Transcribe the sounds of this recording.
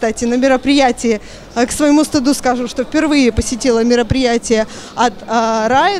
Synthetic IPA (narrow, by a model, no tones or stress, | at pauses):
t̪atʲɪnəmʲɪɾəpɾʲɪjætʲɪjɪ | ksvəjɪmust̪ʊd̪uskaʐɨʂt̪ofʲpʲɪrvɨjɪpəsʲɪtʲilˠəmʲɪɾəpɾʲɪjætʲɪjə | ɐt̪ɾajə